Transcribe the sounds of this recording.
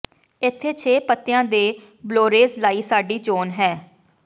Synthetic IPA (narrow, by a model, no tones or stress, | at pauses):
ɪt̪ʰːeːt͡ʃʰeːpət̪ːɪjãːd̪eː | bloːɾeːzlaːiːsaːɖiːt͡ʃoːnɦɛː